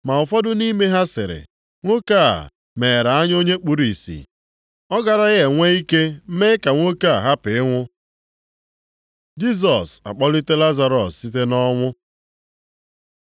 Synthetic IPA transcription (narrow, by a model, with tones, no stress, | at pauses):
ma˨ʊ˨fɔ˦dʊ˦ni˦me˦ɦa˦sɪ˨ɾɪ̰˨ | ŋʷo˦ka˦˨ | me˨ɾa˨a˦ɲ˦o˦ɲe˦k͡pu˨ɾi˨sḭ˨ | ɔ˦ɡa˨ɾa˦ɣe˨ŋʷe˦i˦ke˦m̩˦me˦ka˨ŋʷo˦ka˦˨ɦa˦pɪ˨ɪ˦ŋʷʊ˦ | d͡ʒi˦s̬ɔ˨sa̰˨k͡pɔ˦li˦te˦la˦za˨ɾɔ˨sːi˦te˦nɔ˦ŋʷʊ˦